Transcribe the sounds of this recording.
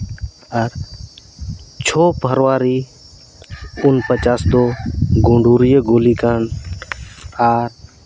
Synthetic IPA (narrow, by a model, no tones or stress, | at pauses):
əɾ | t͡ʃʰoːpəɾʋaːɾiː | ʊnpət͡ʃaːsd̪oːɡõɳɖʱuːɾijəɡoːliːkaːn | aɾ